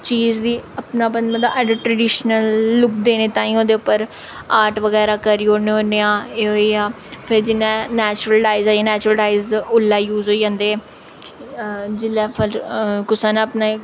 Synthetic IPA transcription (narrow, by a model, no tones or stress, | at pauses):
t͡ʃiːzd̪iːəpnaːbənd̪mãːd̪aːʔəɖəʈɾəɖiːʃnəlːʊpd̪eːneːt̪ãːĩːõːd̪eːʊpːəɾ | aːɾʈʋəɡɛːɾaːkəɾiːoːneɦoːneːãːeːɦoːiaː | pʰɪɾd͡ʒɪnːãːnɛːt͡ʃɾəlɖaːizaːãːnɛːt͡ʃʊɾəlɖaːɪzʊlːaːjuːzɦoːid͡ʒãːnd̪eː | d͡ʒɪlɛːpʰəlkʊsãːnaːəpnaː